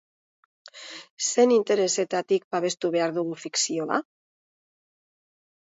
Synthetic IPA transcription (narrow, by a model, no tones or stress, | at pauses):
se̞nint̪e̞ɾe̞se̞t̪at̪ik̚paβe̞st̪uβe̞aɾðuɣufiksio̞a̰